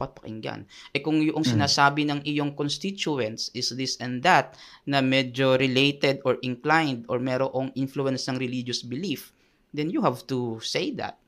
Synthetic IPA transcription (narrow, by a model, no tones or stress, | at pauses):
pɐt̪̚pɐ̥kɪ̰ŋɡa̰nʔɛkʊŋjʊʔoŋsɪnaːsaːbɪnɐŋʔɪjoŋkonst̪it͡ʃuɛnt̪sʔɪsd̪ɪsɛ̃nd̪ɐt̪̚nɐmɛd͡ʒo̞ɾɪlejt̪ɛd̪oɹʔɪ̃ŋklajnd̪oɹmɛɾoʔoŋʔinfluɛnsnɐŋɾɪlid͡ʒosbɪlif | d̪ɛnjuhavt̪usejd̪a̰t̪̚